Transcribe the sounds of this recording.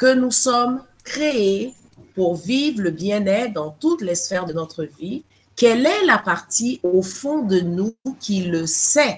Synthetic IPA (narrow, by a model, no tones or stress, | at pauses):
kənusɔm | kχee | puʁvivʁləbjɛ̃nɛd̪ɑ̃t̪ut̪lɛsfɛʁd̪ənɔt̪χəvi | kɛlɛlapaʁt̪iofɔ̃d̪ənukʰʲiləsɛ